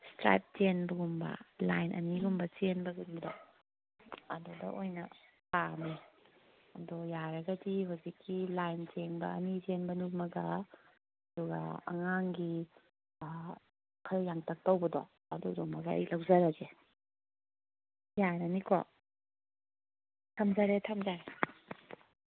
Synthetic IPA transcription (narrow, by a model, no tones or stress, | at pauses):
stɾa̰jp̚t͡ʃenbɐɡumbɐ̰lajnʔɐ̰niɡumbɐt͡ʃenbɐɡunidɔ | ɐdudɐ̰ʔojnɐ | pami | ɐdɔjaɾɐɡɐdiɦawzikːilajnt͡ʃeŋbɐ̰ɐnid͡ʒenbɐnumɐɡɐ | ɐduɡɐ̰ɐ̰ŋaŋɡi | kʰɐɾjaŋtʰɐk̚tawbɐdɔ̰ | ɐdudɔmɐɡaɐ̰jlawzaɾaze | jaɾɐniko̰ | tʰamzaɾetʰamzaɾe